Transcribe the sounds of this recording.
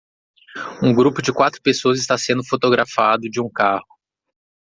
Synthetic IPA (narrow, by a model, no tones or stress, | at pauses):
ũɡɾupʊd͡ʒɪkwat̪ɾʊpesoɐzɪst̪asẽnd̪ʊfot̪oɡɾafad̪ʊd͡ʒɪũkahʊ